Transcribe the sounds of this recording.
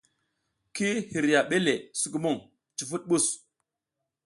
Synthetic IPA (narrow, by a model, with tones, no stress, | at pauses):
ki˦hi˨ɾja˨ɓe˦le˨su˨k̬u˨mu˦˨ŋ | t͡ʃi˨fu˦t̚ɓu˦˨s